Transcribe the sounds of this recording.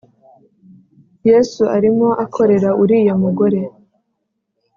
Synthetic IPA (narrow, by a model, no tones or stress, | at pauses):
jesuʔaɾimo̞ʔakʰo̞ɾe̞ɾauɾiːjomuɡoɾe̞